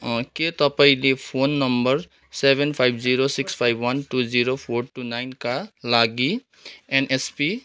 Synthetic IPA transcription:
ket̪ʌpaĩlepʰonːʌmbʌɾ | sebʱenpʰajbʱd͡ziɾosikspʰajbʱwʌnʈud͡ziɾopʰoɾʈunajnkalaɡi | enespi

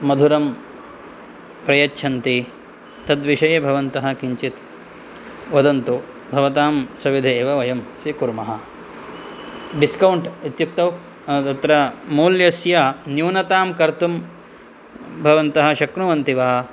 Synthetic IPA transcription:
mɐd̪ʱuɾɐm | pɾɐjɐtːt͡ʃʰɐnt̪i | t̪ɐd̪ʋiʃɐjɐbʱɐʋɐnt̪ɐɦɐ̆kiɲt͡ʃit̪ | ʋɐd̪ɐnt̪u | bʱɐʋɐt̪aːmsɐʋid̪ʱeːʋɐʋɐjɐmsɾikuɾmɐɦɐ̆ | ɖiskɐwɳʈit̪juk̚t̪ɐw | t̪ɐt̪ɾɐmuːljɐsjɐnjuːnɐt̪aːmkɐɾt̪um | bʱɐʋɐnt̪ɐɦɐ̆ʃɐknuʋɐnt̪iʋaːɐ

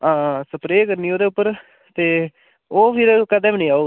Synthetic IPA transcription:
ãːsəpɾeːkəɾniːoːd̪eːʊpːəɾ | t̪eː | oːpʰɪɾkəd̪ẽːbnĩːaːoː

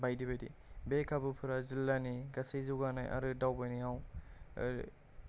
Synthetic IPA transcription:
bajdibajdḭbekʰabɯpʰɯɾazilːaniɡasejzuɡanajʔa̰ɾɯdawbajniaw

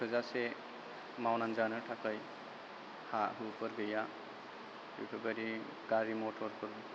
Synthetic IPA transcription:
pʰɯzase | mawnanzanɯtʰakaj | haɦɯpʰɯɾɡɯja | ṵpʰɯbaɾi | ɡ̥aɾimɔtʰɔɾkʰɔɾbi

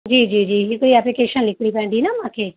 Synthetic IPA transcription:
d͡ʒiːd͡ʒiːd͡ʒiːɦikɽiɛplikeːʃənlɪkʰɽipɛ̃ːnd̪inamãːkʰe

